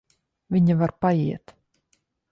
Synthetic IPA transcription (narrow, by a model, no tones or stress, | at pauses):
vʲiɲavaɾpajiɛt̪